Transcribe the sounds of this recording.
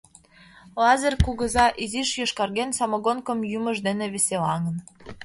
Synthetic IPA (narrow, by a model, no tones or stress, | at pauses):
lɑzerkuɣɤ̆zɑʔiziʃjoʃkɑrɣensɑmɤɣonkɤ̆mjumə̆ʒd̪enĕβeselɑŋə̆n